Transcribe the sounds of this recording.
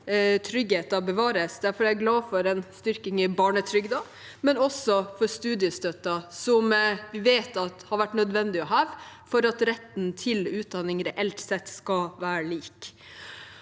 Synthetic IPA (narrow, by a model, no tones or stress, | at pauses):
t̪ʰɾʏɡheːt̪ɑbəʋɑːɾəsd̪æɾfɔɾæɪɡlɑːfɔɾɛnst̪ʏɾkɪŋɪbɑːɳət̪ʰɾʏɡd̪ɑ | mɛnɔsɔfɔɾst̪ʉːd̪ɪəst̪œt̪ːɑsɔmʋɪʋeːt̪ɑt̪hɑɾʋæʈnœd̪ʋɛnd̪ɪɔɦɑːʋfɔɾɑt̪ɾɛt̪ːnt̪ʰɪlʉːt̪̚d̪ɑnɪŋɾɛʔɛlt̪sɛt̪ːskɑʋæːɾəliːk